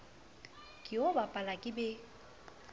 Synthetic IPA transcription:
kʼɪobapʼalakʼɪbɛ

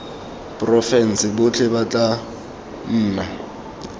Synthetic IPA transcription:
pʼrɔfɛn̩sɪbʊt͡ɬʰɛbat͡ɬʼa | n̩ːna

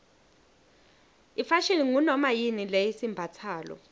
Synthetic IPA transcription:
ifaʃiliŋunɔmajinilejisimbʱat͡sʰaːlɔ̰

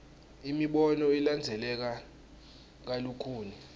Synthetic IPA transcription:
imiɓɔnɔiland͡zʱɛlɛk̬a | k̬alukʰuːni

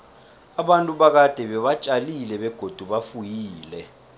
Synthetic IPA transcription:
aɓantʼuɓak̬ad̥ʱɛɓɛɓat͡ʃʼalilɛɓɛɡ̥ʱod̥ʱuɓafujiːlɛ

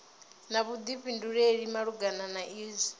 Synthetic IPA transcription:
naβud̪iɸinduɺeɺimaɺuɡananaʔiːzi

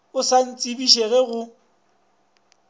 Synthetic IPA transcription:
ʊsan̩t͡sʼibiʃeɣɛɣʊ

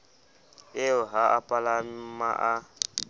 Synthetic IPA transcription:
eʊɦaʔapʼalamaʔa

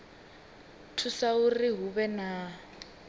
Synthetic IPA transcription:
tʰusaʊriɦubɛna

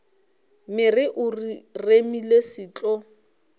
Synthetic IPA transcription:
mɪrɪʔʊriremilesɪːt͡ɬʼɔ

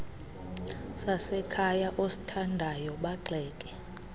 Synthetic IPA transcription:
sasɛkʰajaʔosi̥tʰandʱajɔɓaǃɛːkʼɛ

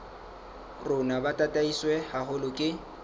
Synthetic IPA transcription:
rʊnabatʼatʼaiswɛhahʊlʊkʼɪ

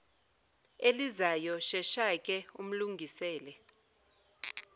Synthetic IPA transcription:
elizajɔʃɛʃakʼɛum̩luŋɡʱisɛːlɛ

